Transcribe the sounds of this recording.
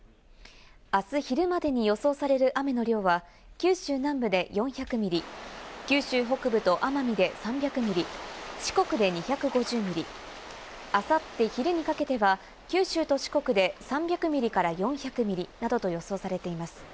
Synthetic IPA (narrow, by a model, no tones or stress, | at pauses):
asɨçiɾɯ̟mad̪e̞ɲ̟ijo̞so̞ːsaɾe̞ɾɯ̟ʔame̞no̞ɾʲo̞ːβa | kʲɨːɕɨːnãmbɯ̟d̪e̞jõ̞ɰ̃çakɯ̟mʲiɾʲikʲɨːɕɨːɦo̞kɯ̟bɯ̟t̪o̞ʔamamʲid̪e̞sãmbʲakɯ̟mʲiɾʲiɕi̥ko̞kɯ̟d̪e̞ɲ̟içakɯ̟ɡo̞ʑɨːmʲiɾʲi | asat̪ːe̞çiɾɯ̟ɲ̟ikake̞t̪e̞βa | kʲɨːɕɨːt̪o̞ɕi̥ko̞kɯ̟d̪e̞sãmbʲjakɯ̟mʲiɾʲikaɾajõ̞ɰ̃çakɯ̟mʲiɾʲinad̪o̞t̪o̞jo̞so̞ːsaɾe̞t̪e̞imasɨ̥